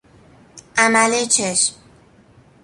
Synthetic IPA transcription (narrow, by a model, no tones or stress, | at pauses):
ʔæmælet͡ʃʰeʃm